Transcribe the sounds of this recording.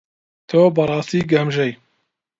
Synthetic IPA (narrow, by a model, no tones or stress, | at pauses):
t̪ʰoːbɐɾˤɑːst̪iːɡɐmʒɐj